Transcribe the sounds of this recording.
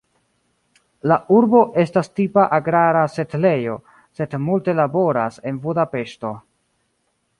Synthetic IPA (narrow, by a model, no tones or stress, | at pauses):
lauɾbo̞ʔe̞stastipaʔaɡɾaɾase̞tle̞jo̞ | se̞dmulte̞labo̞ɾase̞nbudape̞ʃto̞